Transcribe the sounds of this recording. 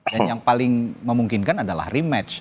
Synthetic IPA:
danjaŋpalɪŋməmuŋkɪnkanadala̰hrimɛt͡ʃ

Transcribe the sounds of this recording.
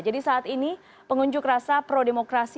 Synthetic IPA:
d͡ʒadisaːt̪ini | pəŋuɲd͡ʒʊk̚rasapɾodemokɾas

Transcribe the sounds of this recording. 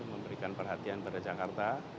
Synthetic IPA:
məmbəɾikanpərɦat̪ianpadad͡ʒakart̪a

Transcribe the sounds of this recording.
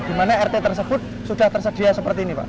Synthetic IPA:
d̥imanaɛrt̪et̪ərs̬əb̥ʊt̪̚suɖ̥aht̪ərsəd̥iasəpərt̪iːnipa̰ʔ

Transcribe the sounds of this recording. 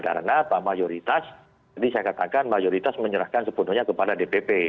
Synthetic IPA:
ka̰ɾə̰napamajoɾit̪as | d͡ʒadisajakat̪akanmajoɾit̪asməɲəɾahkansəpunʊɲakəpadadepepe

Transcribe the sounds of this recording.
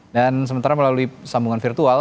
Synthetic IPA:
dans̬əmənt̪aɾaməlaluisambuŋanfirt̪ual

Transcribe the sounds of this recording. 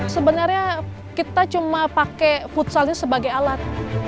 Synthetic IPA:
səbənarɲa | kit̪at͡ʃumapakefut̪salɲasəbaɡajalat̪̚

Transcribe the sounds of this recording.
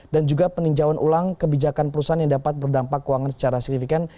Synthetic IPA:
dand͡ʒuɡapəniɲd͡ʒawanʔṵlaŋkəbid͡ʒakanpəɾusaanjaŋdapat̪̚bərdampakːuwaŋansə̥t͡ʃaɾasi̥k̚nifikan

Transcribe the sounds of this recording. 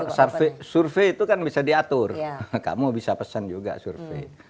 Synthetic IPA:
sarfesurfeit̪ukanbisadiat̪ʊrka̰mubisapəsand͡ʒuɡa̰surfḛ

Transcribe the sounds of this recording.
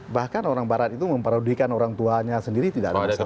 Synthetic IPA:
bahkanoɾaŋbaɾat̪it̪uməmpəɾaudikanoɾaŋt̪uaɲasəndiɾit̪idaʔada

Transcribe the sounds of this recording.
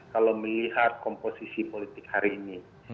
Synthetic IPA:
kaloməliɦat̪̚kɔmposisipolit̪ɪkhaɾiːni

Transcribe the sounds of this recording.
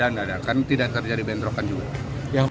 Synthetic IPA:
anadakant̪idat̪ərd͡ʒadibɛnd̪ɾokand͡ʒuɡa | ja

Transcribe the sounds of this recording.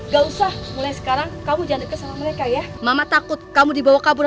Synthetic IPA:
ŋɡausahmulajsə̥kaɾaŋkamud͡ʒandəkəsamahməɾekajamamat̪akʊt̪̚kamudibawahkabuɾ

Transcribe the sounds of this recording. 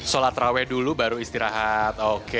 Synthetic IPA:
solat̪ɾawɛdulubaɾuist̪iɾaɦat̪oke

